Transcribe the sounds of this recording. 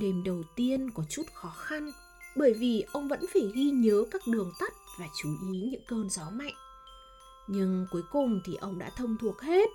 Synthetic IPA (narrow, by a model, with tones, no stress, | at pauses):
ɗe˧˩mɗə˨˩wt̪i˧ənkɔ˨˦t͡ɕu˦˥t̚xɔ˨˦xa˧n | ɓəː˧˩jvi˨˩ʔə˧wŋ͡mvə̰˧˥nfaː˧˩ɣi˧ɲəː˨˦kaː˦˥k̚ɗɨ˨˩əŋt̪ə˦˥t̚vaː˨˩t͡ɕu˨˦ʔi˨˦ɲɨ̰˧˥ŋkəː˧nzɔ˨˦ma̰˧˨jŋʔ | ɲɨ˧ŋku˨˦jkʊ˨˩ŋ͡mt̪ʰi˨˩ʔə˧wŋ͡mɗa̰ː˧˥t̪ʰə˧wŋ͡mt̪ʰu˨˩ək̚he˦˥t̚